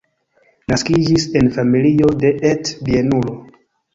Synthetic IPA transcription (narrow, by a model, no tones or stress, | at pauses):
naskid͡ʒise̞nfamilio̞de̞ʔetbienulo